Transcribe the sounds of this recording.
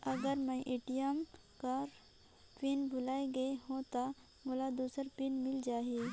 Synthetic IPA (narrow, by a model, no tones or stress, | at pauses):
ɐɡəɾmə̃ʔɪʈijam | kaɾ | pinbʱʊlaːeɡɐeɦõt̪a | mʊlad̪uːsəɾpinmɪld͡ʒaːɦeː